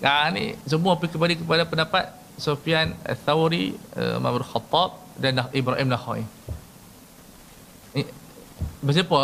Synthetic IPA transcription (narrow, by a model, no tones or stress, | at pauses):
kanḭsəmuap̬ikəmbalikəp̬adapəndapat̪̚ | sofianə̰θawɾiə̰ma̰bdulxɑt̪ˤːɑb̚ | danaʔibɾaʔimnaxɔ̰ḭ | bəs̬ipə